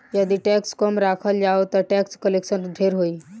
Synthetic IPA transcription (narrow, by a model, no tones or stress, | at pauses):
jəd̪iʈɛkskɔmɾaːkʰəld͡ʒaot̪ɔʈɛkskəlekʃənd̪ʱeɾɦoiː